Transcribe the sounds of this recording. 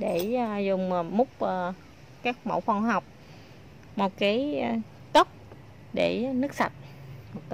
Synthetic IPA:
ɗe˧˩˨zʊ˨˩ŋ͡mmʊ˦˥k͡p̚ʔə˨˩ | kaː˦˥k̚mo̰˧˩wfɔ˧ŋ͡mɦa˨˩wk͡p̚ | mo˨˩t̚kaː˨˦j | t̪o˦˥p̚ | ɗe˧˩nɨ˦˥k̚sa̰˨˩t̚mo˨˩t̪

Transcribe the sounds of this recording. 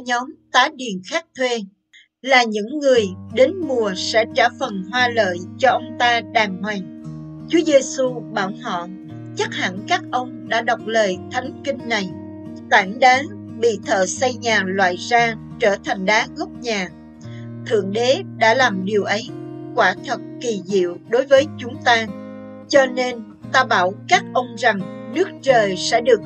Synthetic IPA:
ɲɔ˨˦mt̪aː˨˦ɗi˨˩ənxaː˦˥k̚t̪ʰwe˧ | laː˨˩ɲɨ̰˧˥ŋːɨ˨˩əjɗe˨˦nmu˨˩əsɛ̰˧˥t͡ɕaː˧˩fə˨˩nɦwaː˧lə̰ː˧˨jt͡ɕɔ˧ʔə˧wŋ͡mt̪aː˧ɗaː˨˩ŋhwa˨˩jŋ̟ | t͡ɕu˨˦əze˧su˧ɓaː˧˩whɔ̰˧˨ | t͡ɕa˦˥k̚ha̰˧˩˨nkaː˦˥k̚ʔə˧wŋ͡mɗa̰ː˧˥ɗa˨˩wk͡p̚ləː˨˩jt̪ʰa˨˦jŋ̟kï˧ŋ̟na˨˩j | t̪aː˧˩ŋɗaː˨˦ŋ | ɓḭ˧˨t̪ʰə̰ː˧˨sa˧jɲaː˨˩lwa̰ː˧˨jzaː˧ | t͡ɕəː˧˩t̪ʰa˨˩jŋ̟ɗaː˨˦ɣə˦˥k͡p̚ɲaː˨˩ | t̪ʰɨ̰˧˨əŋɗe˨˦ɗa̰ː˧˥laː˨˩mɗi˨˩əwʔə˨˦jkwaː˧˩t̪ʰə˨˩t̚ki˨˩zḭ˧˨əwɗo˨˦jvəː˨˦jt͡ɕʊ˨˦ŋ͡mt̪aː˧ | t͡ɕɔ˧ne˧n | t̪aː˧ɓaː˧˩wkaː˦˥k̚ʔə˧wŋ͡mza˨˩ŋnɨ˦˥ək̚t͡ɕəː˨˩jsɛ̰˧˥ɗɨ˨˩ək̚

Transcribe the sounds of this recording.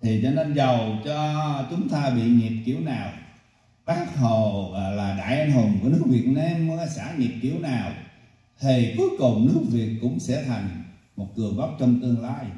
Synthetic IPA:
t̪ʰi˨˩t͡ɕɔ˧ne˧nzə˨˩wt͡ɕɔ˧t͡ɕʊ˨˦ŋ͡mt̪aː˧ɓḭ˧˨ɲi˨˩p̚kḭ˧˩əwnaː˨˩w | ɓaː˦˥t̚ɦo˨˩˨laː˨˩ɗa̰ː˧˨jʔa˧nɦʊ˨˩mku˧˩ənɨ˦˥ək̚vi˨˩ət̚ne˧m˧a˧jsa̰ː˧˥ɲi˨˩p̚ki˧˩əwnaː˨˩w | t̪ʰi˨˩ku˨˦əjkʊ˨˩ŋ͡mnɨ˦˥ək̚vi˨˩ət̚kʊ̰˧˥ŋ͡msɛ̰˧˥t̪ʰa˨˩jŋ̟ | mo˨˩t̚kɨ˨˩əɓa˦˥wk͡p̚t͡ɕɔ˧wŋ͡mt̪ɨ˧əŋlaː˧j

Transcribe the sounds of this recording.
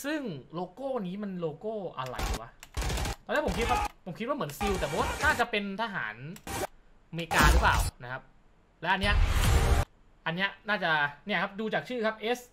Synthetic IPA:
sɯ˥˩ŋloː˧koː˥˩niː˦˥ma˧nloː˧koː˥˩ʔa̰˧ɾa̰˧˩jḭ˨˩wa˦˩t̪ɔː˧nːi˦˥˩po˩˦mkʰi˦t̪waː˥˩pʰo˩˦mkʰi˦t̪wa˥mɯ˩˦nsi˧wt̪ɛ˨˩bɔ˨˦wnaː˥˩t͡ɕa˨˩ʔpe˧nt̪ʰa˧ɦa̰ː˩˦n | meː˧kaː˧ɾɯ˩˦˥pa̰ː˨˩wna˦˥kʰa˦˥p̚ | lɛ˦˥ʔa˧nːi˦˥ɐʔ | ʔa˧nːi˦˥ɐnaː˥˩t͡ɕa˨˩ni˥˩ɐkʰa˦˥p̚duː˧t͡ɕaː˨˩k̚t͡ɕʰɯː˥˩kʰa˦˥p̚ʔe˦˥s

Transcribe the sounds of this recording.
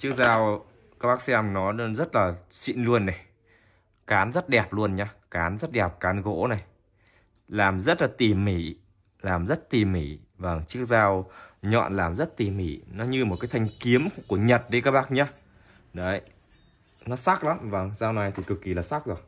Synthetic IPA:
t͡ɕɨ˦˥ək̚zaː˧w | kaː˦˥k̚ɓaː˦˥k̚sɛ˧mnɔ˨˦zə˦˥t̚laː˨˩sḭ˧˨nlu˧ənːa˨˩j | kaː˨˦nzə˦˥t̚ɗɛ˨˩p̚lu˧ənɲaː˧kaː˨˦nzə˦˥t̚ɗɛ˨˩p̚kaː˨˦nɣo̰˧˥na˨˩j | laː˨˩mzə˦˥t̚laː˨˩t̪i˨˩mːi˧˩˦ | laː˨˩mzə˦˥t̚t̪i˨˩mːḭ˧˩˦ | və˧˩ŋt͡ɕɨ˦˥ək̚zaː˧wɲɔ̰˧˨nlaː˨˩mzə˦˥t̚t̪i˨˩mḭ˧˩˦nɔ˨˦ɲɨ˧mo˨˩t̚kaː˨˦jt̪ʰjŋ̟ki˨˦əmku˧˩əɲə˨˩t̚ɗi˧kaː˦˥k̚ɓaː˦˥k̚ɲaː˨˦ | ɗə˨˦j | nɔ˨˦sa˦˥k̚la˨˦mvə˧˩ŋsaː˧wna˨˩jt̪ʰi˨˩kɨ˨˩kːi˨˩laː˨˩sa˦˥k̚zo˨˩j

